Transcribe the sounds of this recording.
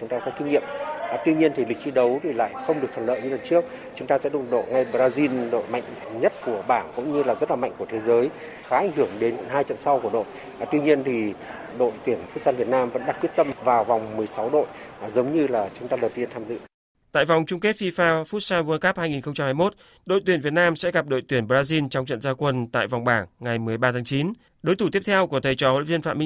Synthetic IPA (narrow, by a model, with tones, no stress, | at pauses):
t͡ɕʊ˨˦ŋ͡mt̪aː˧kɔ˨˦ki˧ŋ̟ɲḭ˧˨əm˨˩t̪wi˧ɲi˧ənt̪ʰi˨˩lï˨˩k̚fi˧ɗə˨˦wt̪ʰi˨˩la̰ː˧˨jxə˧wŋ͡mɗɨ˨˩ək̚t̪ʰə˨˩lə̰ː˧˨jɲɨ̰˧˦lə˨˩nt͡ɕɨ˦˥ək̚ | t͡ɕʊ˨˦ŋ͡mt̪aː˧sɛ̰˧˥ɗʊ̰˨˩ɗo̰˧˨ŋa˧jɓzaː˧zi˧nɗo̰˧˨jma̰˧˨jŋ̟ | ɲə˦˥t̚ku˧˩əɓaː˧˩nkʊ̰˧˥wŋ͡mɲɨ˧laː˨˩zə˦˥t̚laː˨ma̰˧˨jŋ̟ku˧˩ət̪ʰe˨˦zəː˨˦j | xaː˨˦ʔŋ̟hɨ˧˩əŋɗe˨˦nkə̰˧˥nɦaː˧jt͡ɕə̰˧˨nsa˧wku˧˩ə˩ɗo̰˧˨j | t̪wi˧ɲi˧ənt̪ʰi˨˩ | ɗo̰˧˨jt̪i˧˩ənfu˦˥saː˧nvi˨˩ət̚naː˧mvə̰˧˥nɗa˨˩kwi˦˥ət̚t̪ə˧mvaː˨˩wva˨˩wŋ͡mmɨ˨˩əjsa˨˦wɗo̰˧˨jzə˨˦wŋ͡mɲɨ˧laː˨˩t͡ɕʊ˨˦ŋ͡mt̪aː˧ɗəː˨˩t̪i˧ənt̪ʰaː˧mzɨ̰˧˨ | t̪a̰ː˧˨jva˨˩wŋ͡mt͡ɕʊ˧ŋ͡mke˦˥t̚fi˧faː˧fu˦˥t̚saː˧nwu˧nka˦˥p̚haː˧jŋi˨˩nxə˧ŋ͡mt͡ɕa˧mhaː˧jmo˦˥t̚ | ɗo̰˧˨jt̪wi˧˩ənvt̚naː˧msɛ̰˧˥ɣa˨˩p̚ɗo̰˧˨jt̪wi˧˩ənɓzaː˧zi˧nt͡ɕɔ˧wŋ͡mt͡ɕə̰˧˨nzaː˧kwə˧nt̪a̰ː˧˨jva˨˩wŋ͡mɓaː˧˩ŋːa˨˩jmɨ˨˩əjɓaː˧t̪ʰa˨˦ŋt͡ɕi˨˦n | ɗo˨˦jt̪ʰu˧˩t̪i˦˥əp̚t̪ʰɛ˧wku˧˩ət̪ʰə˨˩jt͡ɕɔ˨˧˩ho̰˧˨vi˧ənfa̰ː˧˨mi˧